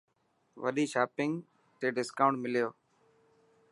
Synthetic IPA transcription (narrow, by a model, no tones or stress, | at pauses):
ʋə̰ɗiːʃaːpɪŋɡ | t̪eːɖɪskaːʊɳmɪlɪjoː